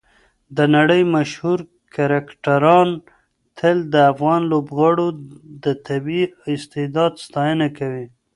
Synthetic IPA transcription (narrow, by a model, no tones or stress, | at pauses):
d̪ənaɽəjmaʃhuɾ | kaɾakʈaɾɑn | t̪ʰəld̪əafɣɑnlobɣɑɽod̪ət̪abiɪst̪ɪd̪ɑd̪st̪ɑjənakawi